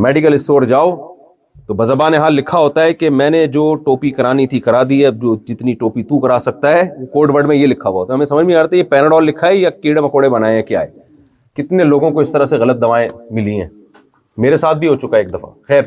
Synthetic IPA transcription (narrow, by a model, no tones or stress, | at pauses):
mɛːɖɪkəlɪsʈoːɾd͡ʒaːo | t̪obɐzəbaːneɦaːlːɪkʰːaɦoːt̪aɦɛkemɛ̃ːned͡ʒoːʈoːpikɐɾaːnit̪ʰikɐɾaːd̪iɦɛd͡ʒoːd͡ʒɪt̪niʈoːpit̪ũkɐɾaːsɐk̚t̪aɦɛkoːɾɖʋəɾɖmẽjelɪkʰːaʋaɦoːt̪aɦɐmẽsɐməd͡ʒmiaːɾt̪ajepɛːnəɽɔːlːɪkʰːaɛjakiːɽəmɐkoːɽebɐnaːẽɛ̃kja̰ːḛː | kɪt̪neloːɡõkoɪst̪ɐɾaseɣɐlət̪̚d̪ɐʋaːẽmɪlĩɦɛ̰̃ː | meːɾesaːt̪̚ʰbʱiɦot͡ʃʊkaɦɛeːk̚d̪ɐfa̰xɛːɾ